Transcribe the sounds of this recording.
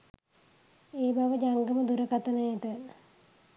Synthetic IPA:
eːbaʋəd͡ʒaŋɡəməd̪uɾəkat̪ənəjəʈə

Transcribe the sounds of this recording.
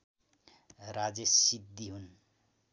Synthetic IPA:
rad͡zesid̪ːiɦun

